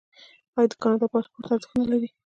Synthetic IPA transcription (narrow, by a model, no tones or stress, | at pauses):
ɑjɑd̪əkɑnɑd̪ɑpɑspoɾt̪aɾd̪əxnalaɾi